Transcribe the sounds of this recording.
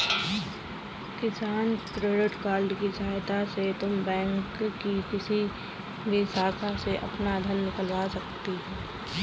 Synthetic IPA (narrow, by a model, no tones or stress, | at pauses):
kɪsaːnkɾeːɖɪʈkaːɾɖkid͡ʒaːjt̪aset̪ʊmbɛ̃ːŋkːikɪsi | bɪsaːsaseʔɐ̰pnad̪ʱənnɪkəlʋasɐkt̪eɦɛ̃ː